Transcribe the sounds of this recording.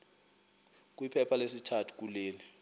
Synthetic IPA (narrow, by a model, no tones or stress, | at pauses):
k̬wipʰɛpʰalesitʰatʰu̥k̬ʼuleːli